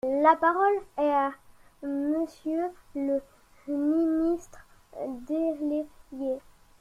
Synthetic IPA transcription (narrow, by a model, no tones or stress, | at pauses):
lapaʁɔlɛa | məsjølə | minist̪χd̪eleje